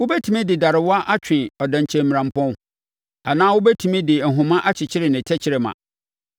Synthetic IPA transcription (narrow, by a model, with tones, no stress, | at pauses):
wʊ˦bɛ˦tʰu˨mĩ˦dɪ˨da˨ɾɪ˨wɔ˦a˦ʔa˦t͡ɕᶣɪ̃˨ɔ˨dã˨ɲ˨t͡ɕʰɛ̃˨m̩m˨ɾã˨m̩˨pʰɔ̃˦ | a˨nãː˦wʊ˦bɛ˦tʰu˨mĩ˦dɪ˨n̩˨ɦʊ̃˨mã˦ʔa˦t͡ɕʰɪ˨t͡ɕʰɪ˦ɾɪ˨nɪ̃˨tʰɛ˦t͡ɕʰɪ˦ɾɪ˨mã̰˨